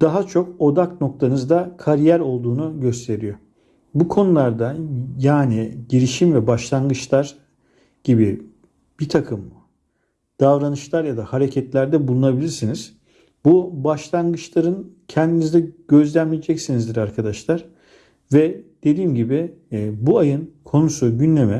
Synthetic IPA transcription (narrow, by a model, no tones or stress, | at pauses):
d̪̥aɦat͡ʃʰo̞ko̞d̪akno̞k̚t̪ʰanɯzd̪akʰaɾijæɾo̞lˠd̪uːnuɟø̞st̪ʰe̞ɾijo | bukʰo̞nulˠaɾd̪ajaːniɟiɾiʃimvɛbaʃlˠanɡɯt͡ʃlˠaɾ | ɟ̥ibi | b̥it̪ʰakʰɯmː | d̪̥avɾanɯʃlˠaɾjad̪ahaɾecʰɛt̪lʲæɾd̪ɛbulˠunabilʲiɾsiniz̥ | bubaʃlˠanɡɯt͡ʃlˠaɾɯn | cʰɛnd̪inizd̪ɛɟ̥ø̞zlʲænmʲijed͡ʒɛcsinizd̪iɾaɾkʰad̪aʃlˠaɾ̥ | vɛd̪̥e̞d̪iːmɟibibuajɯnkʰo̞nusuɟynlʲe̞mɛ